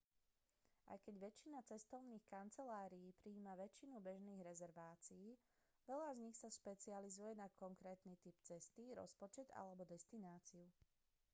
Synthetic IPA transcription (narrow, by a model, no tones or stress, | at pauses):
a̰jkɛɟʋɛt͡ʃːinat͡sɛst̪ɔʊniːxkant͡sɛlaːɾiːpɾiːmaʋɛt͡ʃːinubɛʒniːɣɾɛzɛɾʋaːt͡siiː | ʋɛʎazɲixsaʃpɛt͡sializujɛnakɔŋkɾɛːt̪nit̪ipt͡sɛst̪iɾɔ̰spɔt͡ʃɛd̪a̰lɛbɔd̪ɛst̪inaːt͡siu